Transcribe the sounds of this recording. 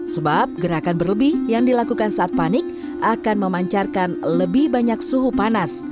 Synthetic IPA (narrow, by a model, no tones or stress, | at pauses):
səbap̚ɡəɾakanbərləbɪhjaŋdilakukansaʔat̪̚panɪk̚ | ʔakanməmaɲt͡ʃarkanləbɪhbaɲaksuɦupanas